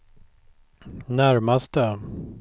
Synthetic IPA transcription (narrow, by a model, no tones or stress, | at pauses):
næɾmast̪ə